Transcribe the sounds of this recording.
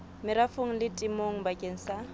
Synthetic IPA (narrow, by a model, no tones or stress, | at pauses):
mɪɾafoŋ̩lɪtʼɪmoŋ̩bakʼeŋ̩sa